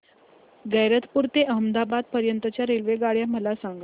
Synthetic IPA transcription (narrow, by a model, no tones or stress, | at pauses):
ɡəjɾət̪puɾt̪eʔəɦəmd̪abad̪̚pəɾjənt̪ət͡ɕjaɾelʋeɡaɽjaməlasaŋɡ